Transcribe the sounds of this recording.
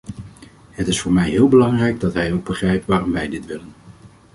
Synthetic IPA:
ɦətɪsfʊːɹmɛjɦɪːlˠbəlɑŋrɛjɡ̚dɑtɦɛjowɡ̚bəχrɛjp̚tʋaːrɔmʋɛjdɪtʋɪlən

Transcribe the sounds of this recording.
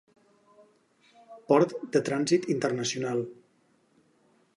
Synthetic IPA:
pɔɾt̪d̪ət̪ɾanzit̪int̪ərnəsiunalˠ

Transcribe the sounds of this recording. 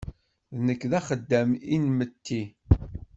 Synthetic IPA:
ðnəkːðæχəd̪ːæminmət̪ʰːi

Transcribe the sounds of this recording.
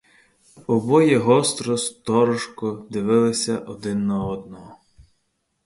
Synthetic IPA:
ɔbɔjɛɦɔst̪ɾɔst̪ɔɾɔʃkɔd̪ɪʋɪlˠɪsʲɐʔɔd̪ɪnːɐɔd̪nɔɦɔ

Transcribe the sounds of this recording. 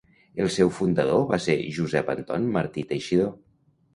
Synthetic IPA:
elˠsɛwfund̪əðoβaseʒuzɛpənt̪ɔnməɾt̪it̪ejʃiðo

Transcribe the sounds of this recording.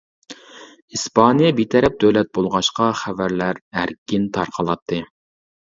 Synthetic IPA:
ispʰɑnijɛbit̪ʰɛɾɛp̚d̪øwlɛt̪̚bolˠʁɑʃqɑχævæɾlæɾæɾkʲint̪ʰɑɾqʰɑlˠɑt̪ʰːɨ

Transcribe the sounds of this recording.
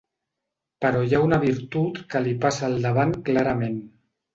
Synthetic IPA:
pəɾɔjaunəβ̞iɾt̪ut̪kəlipasaːlˠd̪əβ̞aŋklaɾəmen

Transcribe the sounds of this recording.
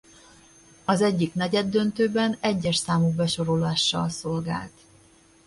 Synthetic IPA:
ɒzɛɟːiknɛɟɛd̪ːø̞nt̪øːbɛnɛɟːɛʃsaːmuɡ̚bɛʃo̞ɾolaːʃːɒ̰lso̞lɡa̰ːlt̪

